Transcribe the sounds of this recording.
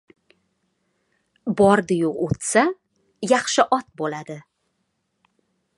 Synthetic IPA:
bɒɾd̪ɪjʊot̪sa | jɑχʃɪʔɒt̪̚bolad̪ɪ

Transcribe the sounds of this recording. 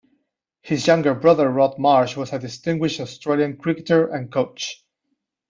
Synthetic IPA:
hɪzjʌ̃ŋɡə˞bɹʌðə˞ɹɔt̚mɑɹʃwʌzɨdɨstɪ̃ŋɡwɪʃtɔstɹ̥eɪlˠjɨ̃nkʰɹ̥ɪkɨtə˞ʔɨ̃nkʰoʊt͡ʃ

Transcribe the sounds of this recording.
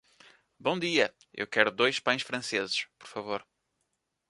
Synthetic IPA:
bõd̪iɐ | ḛwkɛɾud̪ojʃpɐ̃j̃ʃfɾɐ̃sezɨʃpɔ̥ɾfɐvoɾ

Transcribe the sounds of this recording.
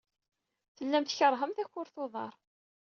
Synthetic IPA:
θəlːæmt̪çəɾˤɦəmθæçːʊɾθoðˤɑ̰ɾˤ

